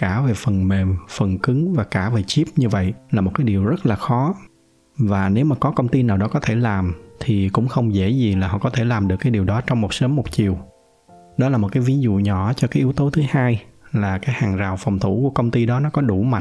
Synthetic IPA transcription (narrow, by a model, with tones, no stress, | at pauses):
kaː˧˩ve˨˩fə˨˩nme˨˩mfə˨˩nkɨ˨˦ŋvaː˨˩kaː˧˩ve˨˩t͡ɕi˦˥p̚ɲɨ˧və̰˧˨jlaː˨˩mo˨˩t̚kaː˨˦jɗi˨˩əwzə˦˥t̚laː˨˩xɔ˨˦ | vaː˨˩ne˨˦wmaː˨˩kɔ˨˦kə˧wŋ͡mt̪i˧naː˨˩wɗɔ˨˦kɔ˨˦t̪ʰe˧˩laː˨˩mt̪ʰi˨˩kʊ̰˧˥ŋ͡mxə˧wŋ͡mzḛ˧˥zi˨˩laː˨˩hɔ̰˧˨˩kɔ˨˦t̪ʰe˧˩laː˨˩mɗɨ˨˩əkːaː˨˦ɗi˨˩əwɗɔ˨˦t͡ɕɔ˧wŋ͡mmo˨˩t̚səː˨˦mo˨˩t̚t͡ɕi˨˩əw | ɗɔ˨˦la˨˩mo˨˩t̚kaː˨˦jvi˨˦nzṵ˧˨ɲɔ˧˩t͡ɕɔ˧kaː˨˦jʔi˨˦əwt̪o˨˦t̪ʰɨ˨˦haː˧jlaː˨˩kaː˨˦jhaː˨˩ŋzaː˨˩wfɔ˨˩wŋ͡mt̪ʰu˧˩ku˧˩əkə˧wŋ͡mt̪i˧ɗɔ˨˦nɔ˨˦kɔ˨˦ɗu˧˩ma̰˨